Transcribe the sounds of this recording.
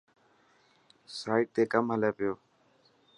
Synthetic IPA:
saːɪʈ̚t̪eːkəmɦəleːpɪjoː

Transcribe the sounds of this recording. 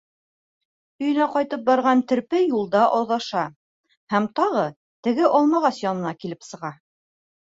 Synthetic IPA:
ɵ̆jɵ̆næqɑjt̪ɤp̚bɑɾʁɑnt̪ɘ̆ɾpɘjulˠd̪ɑʔoðɑʃɑ | hæmt̪ɑʁɤ | t̪ɘ̆ɡɘʔɒlˠmɑʁɑsjɒnɤ̆nɑkilɘpsɤ̆ʁɑ

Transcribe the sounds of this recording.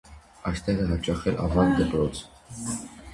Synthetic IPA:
ɑjst̪ɛʁəɦɑt͡ʃɑχɛlʔɑ̰vɑnd̪əpɾɔt͡sʰ

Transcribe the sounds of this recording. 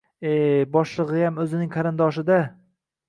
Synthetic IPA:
ebɒʃlˠɨʁɨjamɵzɪnɪŋqʰɑɾɪnd̪ɒʃ̬ɪd̪a

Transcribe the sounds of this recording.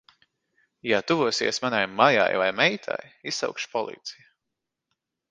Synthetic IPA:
jat̪uvuɔsḭɛsmanajmaja̰jvajmɛjt̪ʰa̰jisawkʃpɔlˠḭːt̪si̥ja

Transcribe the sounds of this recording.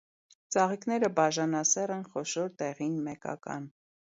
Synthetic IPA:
t͡sɑʁikn̪ɛɾəbɑʒɑnɑsɛɾɛnχɔʃɔɾt̪ɛʁinmɛkɑ̰kɑ̰n

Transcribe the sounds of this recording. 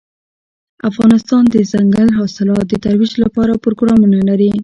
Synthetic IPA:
afɣɑnɪst̪ɑnd̪əzaŋɡalɦɑsɪlɑt̪̚d̪ət̪aɾwiʒlapɑɾapɾoɡɾɑmunalaɾi

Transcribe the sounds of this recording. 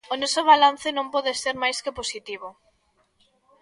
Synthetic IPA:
onɔsoβ̞alan̟θɪnõmpɔðeseɾmajskeposit̪iβ̞o

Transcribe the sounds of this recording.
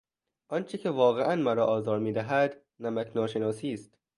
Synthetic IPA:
ʔɒnt͡ʃʰecʰe̞vɒːɣeʔænmæɾɒːʔɒːzɒːɾmiːd̪æɦæd̪ | næmækʰnɒːʃe̞nɒːsiːst̪

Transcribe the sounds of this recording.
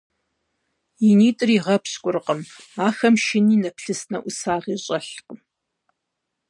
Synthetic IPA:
jɪniːtʼɨriːʁɐpʰɕkʷʼʊrqəmaːxɐmʃɪniːnɐpɬɨsnɐʔʷʊsaːʁiːɕʼɐɬqəm

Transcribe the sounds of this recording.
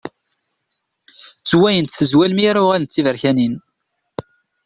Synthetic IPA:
t͡sːwæjənt̪θəzwælmiɾaʊʁælənt̪t͡sːivəɾçænin

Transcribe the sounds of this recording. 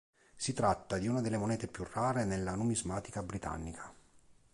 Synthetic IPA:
sit̪ɾat̪ːad̪iunad̪elːemonɛːt̪epjurːaːɾenelːanumizmaːt̪ikabɾit̪a̰nːikʰḁ

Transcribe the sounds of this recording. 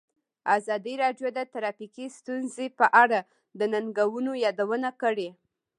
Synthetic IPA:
azɑd̪iɾɑɖjod̪ət̪aɾɑfikist̪unzepəʔaɽa | d̪ənanɡawunojɑd̪awənakəɽe

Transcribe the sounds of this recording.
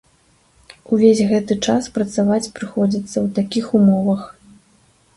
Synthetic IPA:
uvʲezʲɣɛt̪ɨt͡ʂaspɾɐt̪savat͡sʲpɾɨxɔd͡zʲit̪sːɐwt̪akʲixumɔvɐx

